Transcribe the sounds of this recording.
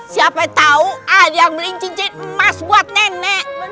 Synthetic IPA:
siapɛt̪auadaŋbəliɲt͡ʃiɲt͡ʃɪt̪̚masbuat̪̚nɛnɛʔ

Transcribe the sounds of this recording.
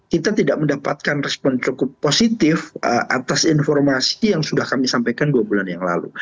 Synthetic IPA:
kit̪at̪idaʔ̚məndapat̪̚kanrɛspɔnt͡ʃukʊpːosit̪ɪfəʔa̰t̪asinfɔrmasijaŋsudahkamisampajkanduabulanjaŋla̰lṵ

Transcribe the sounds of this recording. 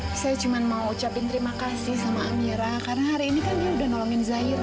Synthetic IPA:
sajad͡ʒumanmauːt͡ʃapɪnt̪ɾimakasɪhsamaːmiɾahkaɾənhaɾiːnikanbiaudahnɔlɔŋɪnzaɪr

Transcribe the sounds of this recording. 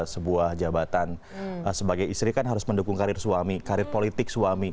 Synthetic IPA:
səbuahd͡ʒabat̪an | əsəbaɡajist̪ɾikanɦaɾʊsməndukʊŋkaɾɪrsuamikaɾɪrpolit̪ɪk̚suami

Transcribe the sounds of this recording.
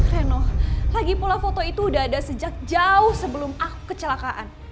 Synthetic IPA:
ɾɛnɔlaɡipulafot̪oit̪uːdaɦːdasəd͡ʒak̚d͡ʒaʊhsəbəlʊmaku̥kːət͡ʃəlakaʔan

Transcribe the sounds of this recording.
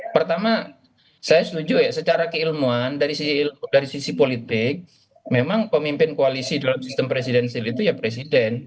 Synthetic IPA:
pərt̪ama | sajasət̪ud͡ʒujasət͡ʃaɾakəilmuandaɾisisiːlmudaɾisisipolit̪ɪk̚ | memaŋpəmimpɪnkoalisidalamsist̪əmpɾes̬idɛnsɛlit̪ujapɾes̬idɛn

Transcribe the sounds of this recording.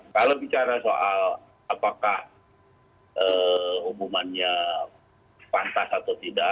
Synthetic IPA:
kalowbit͡ʃaɾasoʔal | apakah | ʔəhumumanɲa | pant̪asat̪awt̪ida

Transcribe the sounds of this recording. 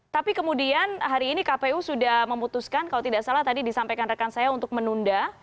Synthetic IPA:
t̪apikəmudianɦaɾiːnikapeusudahməmut̪uskankalawt̪idaʔsalaht̪adidisampajkanrəkansajaunt̪ʊk̚mənunda

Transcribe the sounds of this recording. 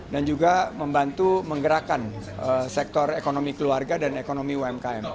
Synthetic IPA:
dand͡ʒuɡaməmbant̪uməŋɡəɾakanəsɛk̚t̪ɔrekonomikəluarɡadanekonomiwɛmkaɛm

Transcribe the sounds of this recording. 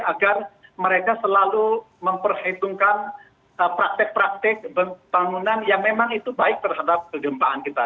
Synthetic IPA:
aɡarməɾekasəlalu | məmpərhit̪uŋkan | əpɾak̚t̪ɪk̚pɾak̚t̪ɪk̚bəb̥aŋunanjaŋmemaŋit̪ubaɪk̚t̪ərɦadap̚kəɡəmpaankit̪a

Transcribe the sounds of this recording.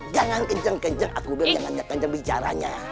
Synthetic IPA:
d͡ʒaŋankəɲt͡ʃaŋkəɲt͡ʃaŋa̰kubɪd͡ʒaŋanɲakəɲd͡ʒaŋbit͡ʃa̰ɾa̰ɲa̰

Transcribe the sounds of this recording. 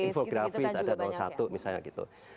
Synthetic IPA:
infoɡɾafisadadaasa̰t̪umisalɲa̰kit̪ṵ

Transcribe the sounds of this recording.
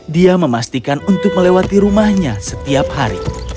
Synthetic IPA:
diaməmast̪ikanunt̪ʊk̚məlewat̪iɾumahɲasət̪iaphaɾḭ

